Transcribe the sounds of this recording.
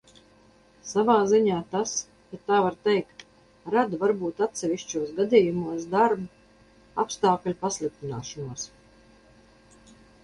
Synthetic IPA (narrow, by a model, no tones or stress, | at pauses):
savaːziɲaːt̪as | kat̪ːaːvaɾt̪ɛjk̚t̪ | ɾad̪vaɾbuːt̪at̪sʲɛvʲiʃt͡ʃuɔsɡad̪ʲiːjumuɔsd̪aɾbu | apst̪aːklʲpaslˠik̚t̪ina̰ːʃɔnuɔs